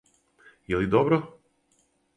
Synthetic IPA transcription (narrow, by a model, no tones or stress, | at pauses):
jelid̪obɾo